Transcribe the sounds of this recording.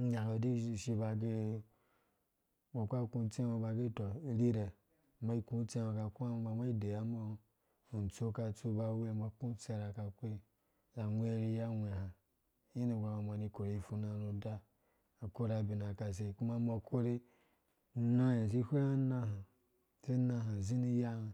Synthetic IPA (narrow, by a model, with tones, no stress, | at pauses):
ɲa˨lo˨di˦˨ʃi˧ba˧ɡe˦ | bo˨kʷa˦ku˧˦t͡sẽ˦ma˧ba˧ɡe˦to˨ɾi˦ɾe˨ | ma˦i˦kũ˦t͡se˦ma˧ka˧ku˦a˦ba˧ma˦i˦de˨ja˨˦ma˦˧˨ | n̩˨t͡so˦ka˧t͡so˧ba˧˦we˦˨ma˧˦ku˦t͡se˧˨ɾa˧ka˧kʷe˦ | za˨ŋʷ˦e˦ɾi˧˦ja˦ŋʷe˨hã˨˦ | ji˦ni˨ɡɾa˨ma˨ma˨ni˧ko˨ɾe˨˧i˨fu˧na˨no˧da˦ | a˨ko˦ɾa˧bi˨na˨ka˨s̬e˧˨ku˦ma˦ma˧kʰo˦ɾe˦ | na˦je˨s̬i˦hʷe˦a˦nã˧ɦa˨ | si˦na˧ɦa˨zi˦ni˧ja˦ha˧